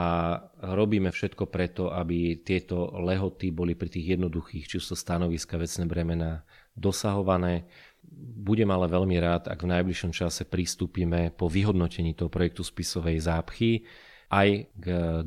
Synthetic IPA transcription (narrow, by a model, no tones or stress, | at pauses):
aɾɔbiːmɛfʃɛt̪kɔpɾɛt̪ɔʔabit̪ɪɛt̪ɔlɛɦɔt̪ibɔlipɾit̪iːɣjɛd̪nɔd̪uxiːxt͡ʃiusɔst̪anɔʋiskaʋɛt͡snɛːbɾɛmɛna | d̪ɔsaɦɔʋanɛː | buɟɛmalɛʋɛʎmiɾaːt̪a̰ɡvnajbliʃɔmt͡ʃasɛpɾist̪uːpiːmɛpɔʋiɦɔd̪nɔcɛɲiːt̪ɔɦɔpɾɔjɛk̚t̪uspisɔʋɛjzaːpxi | ʔajɡ